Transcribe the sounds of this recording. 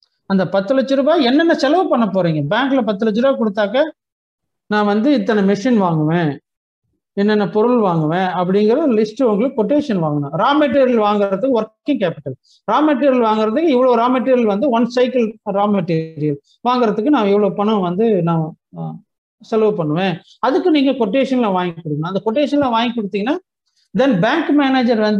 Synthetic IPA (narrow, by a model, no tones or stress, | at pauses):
ɐnd̪ɐpɐt̪ːɯlɐt͡ʃːɯɾɯbaːɛnːɛnːɐsɛlɐʋɯpɐɳːɐp̬ːoːɾiːŋɡɐbaːŋklɐpɐt̪ːɯlɐt͡ʃːɯɾɯbaːkɔɽɯt̪ːaːkɐ | nãːʋɐnd̪ɯɪt̪ːɐnɐmɪʂinʋaːŋɡɐʋẽː | ɛnːɛnːɐpɔɾɯɭʋaːŋɡɐʋẽːɐp̬ːɐɽɪŋɡɪɾɐlɪsʈɯʊŋɡɐɭɯkɔʈːeːʂɐnʋaːŋɡɐnʊ̃ɾaːmɛʈ̬ːeːɾɐlʋaːŋɡɪɾɐðɯkːɯɔɾkːɪ̃ŋkeːpɪʈːɐl | ɾaːmɐʈ̬ːiːɾɪjɐlʋaːŋɡɪɾɐðɯkːɯɪʋːɐɭoɾaːmɐʈːiːɾɪɐlʋɐnd̪ɯʋɐnsɐɪkɐlɾaːmɐʈːiːɾɪjɐl | ʋaːŋɡɪɾɐt̪ːɯkːɯnãːɪʋːɐɭopɐɳɐ̃ʋɐnd̪ɯnaː | sɛlʋɐpɐɳːɯʋẽː | ɐðɯkːɯniːŋɡɐkɔʈːeːʂɐnlãːʋaːŋɡkːɔɽɯkːɐnãːɐnd̪ɐkɔʈːeːʂɐnlãʋaːŋɡkːɔɽɯt̪ːiŋɡɐnːaː | d̪ɛnbaːŋkmeːneːd͡ʒɐɾʋɐnd̪